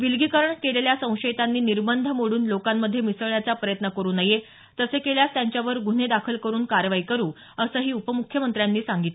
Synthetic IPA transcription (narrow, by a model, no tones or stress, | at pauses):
ʋilɡikəɾəɳkeleljasə̃w̃ɕəjt̪anːiːniɾbənd̪ʱəmoɽuːnlokamːəd̪ʱːjemisəɭjat͡sapɾəjət̪nəkəɾuːnaje | t̪əsekeljast̪jaɲt͡ɕjaʋəɾɡun̤ed̪akʰəlkəɾuːnkaɾjəʋaikəɾuː | əsəːɦiːupəmukʰjəmənt̪ɾjanːiːsaŋɡit̪le